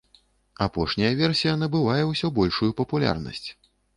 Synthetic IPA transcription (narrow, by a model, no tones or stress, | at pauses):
apɔʂnʲɐjɐvʲɛrsʲijɐnɐbɨvajɛwsʲɔbɔlʲʂujupɐpulʲa̰rnɐ̰sʲt͡sʲ